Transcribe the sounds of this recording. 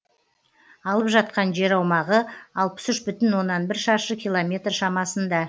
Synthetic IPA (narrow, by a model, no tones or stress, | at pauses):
ɑlˠəpʒɑt̪̚qɑnʒe̞ɾɑwmɑʁəɑlˠpə̥sʏʃbʏt̪ɪnwo̞nːɑnbɪɾʃɑɾʃəkʲijlˠo̞mʲe̞t̪rʃɑmɑsənd̪ɑ